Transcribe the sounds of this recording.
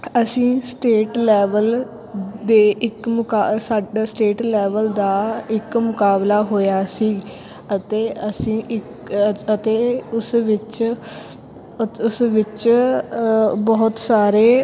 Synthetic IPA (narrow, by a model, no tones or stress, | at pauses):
əsĩːsʈeːʈlɛːʋəl | d̪eːʔɪkmʊkasaːɖasʈeːʈlɛːʋəld̪aːɪkmʊkaːblaːɦoːjaːsiː | ət̪eːəsĩːɪk | ət̪eːʊsʋɪt͡ʃ | ʊsʋɪt͡ʃ | bɔːʊt̪saːɾeː